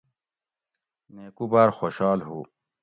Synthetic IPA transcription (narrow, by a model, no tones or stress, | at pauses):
neːkubaːɾxoːɕɑːlɦṵː